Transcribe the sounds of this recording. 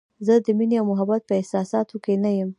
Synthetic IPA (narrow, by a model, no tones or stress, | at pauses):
zəd̪əmineawmʊɦabat̪̚pəɪhsɑsɑt̪okenajəm